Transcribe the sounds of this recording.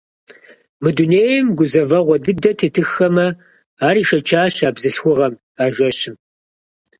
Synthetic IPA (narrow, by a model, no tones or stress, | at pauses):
mɨduneːjɐmɡʷʊzɐvɐʁʷɔdɨdɐtʰeːtʰɨxɐmɐ | aːɾiːʃɐt͡ʃʰaːɕaːbzɨɬxʷʊʁɐm | aːʒʷɐɕɪm